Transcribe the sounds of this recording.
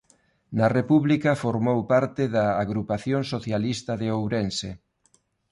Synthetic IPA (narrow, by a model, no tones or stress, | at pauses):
nɐrepuβlikɐfoɾmowpaɾt̪ɪðɐːɣɾupaθjoŋsoθjalist̪ɐðeowɾense